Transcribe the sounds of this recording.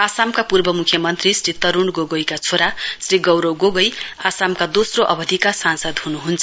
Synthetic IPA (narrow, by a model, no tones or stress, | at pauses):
asamkapurbʌmukʰjʌmʌnt̪risrit̪ʌɾuɳɡoɡʌjkat͡sʰoɾasriɡʌwɾʌwɡoɡʌjasamkad̪osroʔʌbʌd̪ʱikasansʌd̪hunuɦunt͡sʰʌ